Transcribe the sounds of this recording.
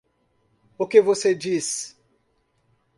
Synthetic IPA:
ʊkɪvosed͡ʒis

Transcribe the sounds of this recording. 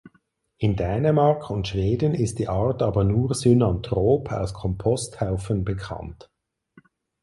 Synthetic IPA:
ʔɪndɛːnəmaʁkʰʊntʃv̥eːdən̩ɪstd̥iːʔaːɐtaːbɐnuːɐzynantʁ̥oːpʰa̰ʊskʰɔmpʰɔsthaʊfənbəkʰa̰nt

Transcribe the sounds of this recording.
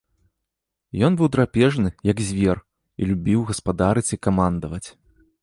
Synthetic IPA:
jɔnbɨwd̪ɾapʲɛʐnɨjɐɡzʲvʲɛr | ḭlʲubʲiwɣɐspad̪aɾɨt͡sʲikamand̪ɐvɐt͡sʲ

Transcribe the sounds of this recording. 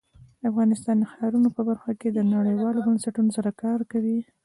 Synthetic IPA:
afɣɑnɪst̪ɑnd̪əxɑɾunopəbaɾxaked̪ənaɽəjwɑlobənsaʈunosaɾakɑɾkawi

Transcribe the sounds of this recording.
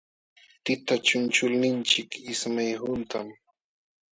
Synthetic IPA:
t̪ɪt̪at͡ʃʊnt͡ʃʊlnɪnt͡ʃɪkɪsmajhʊnt̪am

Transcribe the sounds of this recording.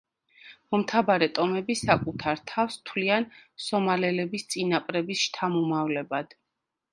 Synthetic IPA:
mɔmt̪ʰabaɾɛt̪ʼɔmɛbisakʼut̪ʰaɾt̪ʰafst̪ʰwliansɔmalɛlɛbist̪sʼinapʼɾɛbisʃt̪ʰamumavlɛbad̪̥

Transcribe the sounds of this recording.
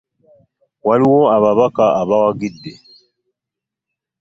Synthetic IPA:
waliwoaβaβakaʔaβawaɡidːe

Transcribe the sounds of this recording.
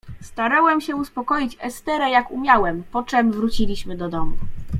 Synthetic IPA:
st̪aɾawɛmɕɛuspɔkɔjit͡ɕɛst̪ɛɾɛjakumʲjawɛmpɔt͡ʂɛmvɾut͡ɕilʲiɕmɘd̪ɔd̪ɔmu

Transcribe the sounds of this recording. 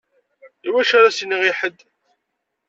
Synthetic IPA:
iwæʃaɾasiniʁiħəd̪ː

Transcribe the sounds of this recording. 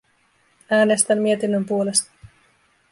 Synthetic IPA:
æːne̞st̪æmːie̞t̪inːømpuo̞le̞st̪ɑ̥

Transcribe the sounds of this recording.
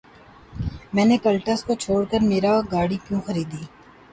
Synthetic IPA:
mɛ̃ːnekɐlʈəskot͡ʃʰoːɽkəɾmeːɾaɡaːɽikjõːxɐɾiːd̪iː

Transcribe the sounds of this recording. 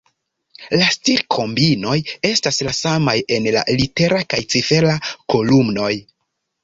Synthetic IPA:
lastiɾkʰo̞mbino̞je̞staslasamaje̞nla̰lite̞ɾakajt͡sife̞lako̞lumno̞j

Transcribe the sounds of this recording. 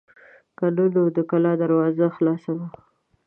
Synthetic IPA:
kalunod̪əkalɑd̪aɾwɑzaxlɑsawa

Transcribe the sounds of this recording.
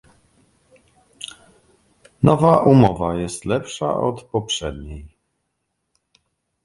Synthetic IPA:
nɔvaʔumɔvajɛst̪lɛpʂa̰ʔɔt̪pɔpʂɛd̪ɲej

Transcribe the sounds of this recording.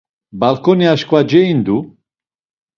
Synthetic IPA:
balkʰɔniaʃkvad͡ʒɛind̪u

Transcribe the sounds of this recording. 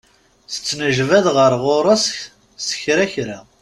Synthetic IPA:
θə̥t͡sːnəʒvæðʁəɾˤʁoɾˤɑsç | sə̥çɾæçɾa

